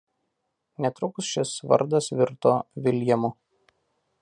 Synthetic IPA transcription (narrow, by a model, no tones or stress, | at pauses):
nʲɛt̪ɾʊksʃʲɪsʋɐ̰ɾd̪ɐsʋʲɪɾt̪oːʋʲɪlʲjɛmʊ